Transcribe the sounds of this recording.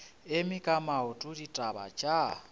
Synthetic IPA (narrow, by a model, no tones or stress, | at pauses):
emikʼamaʊtʼuditʼaβa̰t͡ʃʼa